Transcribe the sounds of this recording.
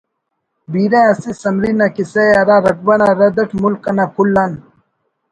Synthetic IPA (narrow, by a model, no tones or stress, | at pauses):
biːɾẽɐsisɐmɾinakiseɐɾaːɾɐk̚bɐnaɾɐd̪ɐʈmulkːɐnakʰulːan